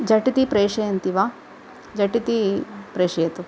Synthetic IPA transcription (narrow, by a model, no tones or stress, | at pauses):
d͡ʒɐʈit̪ipɾeːʂɐjɐnt̪iʋaː | d͡ʒɐʈit̪ipɾeːʂɐjɐt̪u